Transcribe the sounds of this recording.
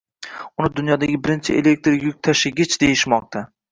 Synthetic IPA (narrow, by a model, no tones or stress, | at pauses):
ʊnɪd̪ʊnjɒd̪aɡʲɪbɪɾɪnt͡ʃʰɪʔḛlek̚t̪ɾɪjʊk̚ʲt̪ʰaʃɪɡʲɪt͡ʃd̪e̞jɪʃmɒq̚t̪ʰa